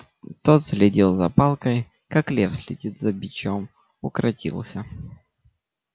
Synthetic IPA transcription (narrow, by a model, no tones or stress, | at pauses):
t̪ot̪sʲlʲɪdʲilˠzɐ̰palˠkəj | kaklʲefsʲlʲɪdʲit̪zɐbʲɪt͡ɕom | ʊkɾʔɐtʲḭlˠsʲə